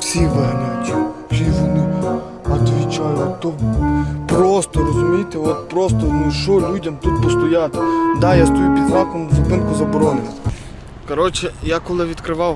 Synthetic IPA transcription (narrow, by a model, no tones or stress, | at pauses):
fsʲiʋɛɦnʲujt̪ʲi | ʃiʋɔnɪ | ɐt̪ʋʲit͡ʃajʊt̪ɔ | pɾɔst̪ɔɾɔzʊmʲijt̪eɔt̪pɾɔst̪ɔnuʃɔlʲudʲɐmt̪ut̪̚pɔst̪ɔjat̪d̪ajast̪ɔjupʲid̪lˠɑkɔnzɐpɪnkʊzɐbɔɾɔnɪnʲɐ | kɐɾɔt͡ʃɛjakɔlˠɪʋʲit̪kɾɪʋɑw